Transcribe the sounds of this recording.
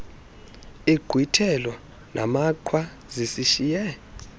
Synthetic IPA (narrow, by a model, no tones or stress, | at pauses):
iɡ̥ʱwitʰɛlɔ | nʔa̰makʰwa | zisiʃijɛ